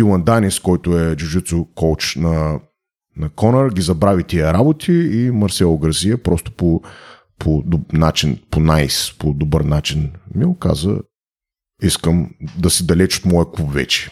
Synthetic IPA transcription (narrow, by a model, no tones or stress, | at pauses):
ilˠɐnd̪aniskɔjt̪ʊɛd͡ʒuʒit̪sʊkowt͡ʃnɐ | nɐkɔnəɾɡʲizɐbɾavit̪iəɾabot̪ʰiimɐɾsɛlˠoɡəɾziəpɾɔst̪ʊ̥po | pʰod̪nat͡ʃinponajspod̪obəɾnat͡ʃinmioka̰zə̰ | iskəmd̪ɐsid̪ɐlɛt͡ʃo̥t̪mɔjɐkupvɛ̰t͡ʃɛ̥